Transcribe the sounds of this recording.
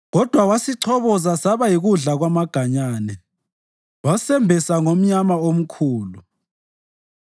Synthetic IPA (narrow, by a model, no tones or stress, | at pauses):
ɣɔd̥ʱwawasiǀʰɔβɔzasaβajiɣuɮaɣwamaɡ̥ʱaɲaːnɛ | wasɛmbʱɛsaŋom̩ɲamaom̩kʰuːlu